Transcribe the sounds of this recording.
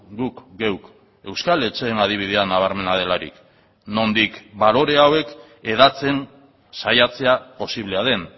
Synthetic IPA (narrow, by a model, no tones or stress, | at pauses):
ɡukɡe̞wk | e̞wskale̞t͡seːnað̞iβ̞iðe̞anaβ̞aɾme̞naðe̞laɾḭk | no̞nd̪ikbalo̞ɾe̞awe̞k | e̞ðat͡se̞n | sajat͡se̞apo̞siβle̞aðe̞n